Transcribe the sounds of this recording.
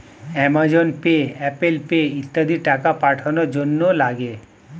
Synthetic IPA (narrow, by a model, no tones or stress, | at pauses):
ɛmad͡ʑonpeɛpelpeit̪ːad̪ʱiʈakapaʈʰonoɾd͡ʑonːolaɡe